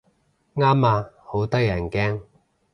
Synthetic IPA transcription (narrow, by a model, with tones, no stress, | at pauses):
ŋaː˥maː˧ | ho˨˥wt̪ɐ˥jɐ˨˩nkɛː˥ŋ